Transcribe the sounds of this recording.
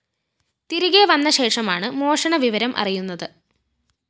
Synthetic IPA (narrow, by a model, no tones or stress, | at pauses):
t̪iɾuɣeʋɐnːɐɕe̞ːʂɐmaːɳɨmo̞ːʂɐɳɐʋiʋɐɾɐmʔɐ̰rijunːɐðɨ